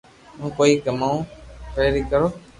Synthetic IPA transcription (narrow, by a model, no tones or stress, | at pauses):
ũːkoːiːkəmaːũːpeːɾiːkəɾoː